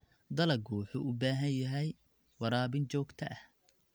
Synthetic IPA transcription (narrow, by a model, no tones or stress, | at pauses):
d̪ɐlɐɡuħuːʔʊbaːɦɐnjɐɦɛj | wɑɾaːbɪnt͡ʃɔːɡt̪ʰɐ̰ʔɐh